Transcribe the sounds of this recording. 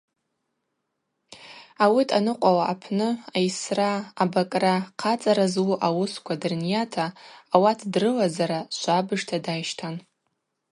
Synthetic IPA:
awitʰʼanɨqʷʼawaʔːpʰnɨajsraːbakʼraqʰat͡sʼaɾazwuʔawʊskʷʰadɨrnijatʰaːwatʰdrɨlazaɾaʃʷabɨʐtʰadajʃtʰan

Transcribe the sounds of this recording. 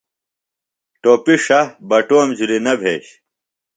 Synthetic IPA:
ʈoːpiʂɐbɐʈoːmd͡ʑuɾinɐbʱḛːɕ

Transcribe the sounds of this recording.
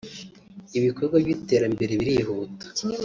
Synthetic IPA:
iβikoɾɡwajite̞ːɾambe̞ɾeβiɾiɦuːtḁ

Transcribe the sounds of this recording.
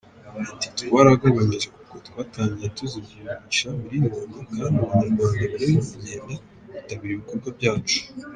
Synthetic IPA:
ati̥tuβaɾaɡaβaɲiʒekukotkwaːtaːɲɟiɾetuziiit͡ʃamiɾijomanokanuanaɾmaːndaβiɾejmiɲeːnda | utaβiɾiβikoɾɡabɟaːt͡ʃu̥

